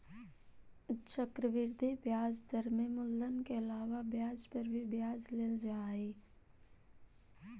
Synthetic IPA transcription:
t͡ʃəkɾəʋɪɾd̪ʱibjaːzd̪əɾmẽmʊlːənkeɐlaːʋabjaːzpɐɾbʱibjaːzleːld͡ʒaːeː

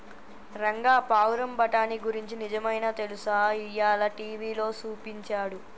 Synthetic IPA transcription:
ɾɐŋɡaːpaːwɾɐmbɐʈaːniɡuɾiɲt͡ʃinid͡ʒɐmɐjnat̪e̞lusaːijːaːlɐʈiːʋiːlo̞ːsuːpiɲt͡ʃaːɽu

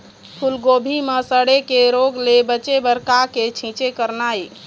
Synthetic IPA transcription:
pʰulɡobʱimesəɽekeɾoɡlebət͡ʃebəɾkaket͡ʃʰĩt͡ʃekəɾnaj

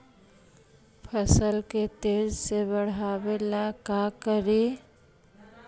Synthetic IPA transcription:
pʰəsəlket̪eːd͡ʒsebəɽ̤aːbelakakəɾi

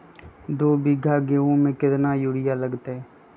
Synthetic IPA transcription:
d̪oːbɪɡʱaɡeːõmẽkɪt̪najuːɽɪjaləɡt̪eɛː

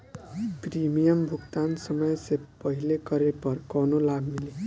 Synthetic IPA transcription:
primijʌmbʱukt̪ansʌmʌjsepʌɦilekʌɾepʌrkʌnolaɡmile

